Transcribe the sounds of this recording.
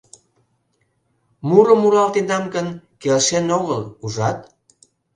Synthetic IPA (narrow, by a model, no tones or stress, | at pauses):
muɾəmuɾɑlt̪end̪ɑmkənkelʃenoɣəluʒɑt̪̚